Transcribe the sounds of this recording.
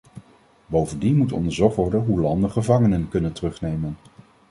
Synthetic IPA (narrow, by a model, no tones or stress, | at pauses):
bowvəndinmutɔ̰ndəɹzɔχtʋɔɹdənɦulɑndəχəvɑŋənənkɵnəntərɵχnejmən